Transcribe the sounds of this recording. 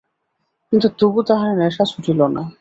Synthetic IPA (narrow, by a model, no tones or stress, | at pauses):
kint̪ut̪ubut̪aɦaɾenɛʃasuʈʰilona̰